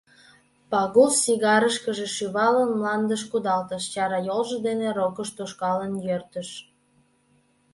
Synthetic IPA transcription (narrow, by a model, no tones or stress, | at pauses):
pɑɣulsiɣɑɾəʃkəʒeʃyβɑlənmlɑnd̪əʃkud̪ɑlt̪əʃt͡ɕɑɾɑjolʒə̆d̪eneɾokəʃt̪oʃkɑlənjørt̪ə̆ʃ